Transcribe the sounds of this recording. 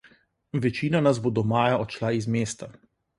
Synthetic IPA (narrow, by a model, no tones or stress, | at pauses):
ʋɛt͡ʃiːnanazbod̪ɔmaːjaɔt͡ʃlaizmeːst̪a